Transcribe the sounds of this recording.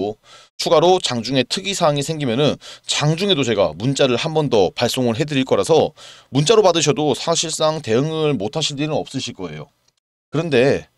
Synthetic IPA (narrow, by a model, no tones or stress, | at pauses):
t͡ɕʰuɡaɾot͡ɕaŋd͡ʑuŋe̞tʰɯɡisʰaŋisʰe̞ŋɡimjʌnɯnt͡ɕaŋd͡ʑuŋe̞dot͡ɕe̞ɡa̰munt͡ɕ͈aɾɯɭhambʌndʌpaɭs͈oŋɯɭɦe̞dɯɾiɭk͈ʌɾasʰʌmunt͡ɕ͈aɾopadɯɕʰʌdosʰaɕʰiɭs͈aŋte̞ɯŋɯɭmotʰaɕʰiɭd͡ʑinɯnʌp̚s͈ɯɕʰiɭk͈ʌe̞̰jo̰ | kɯɾʌnde̞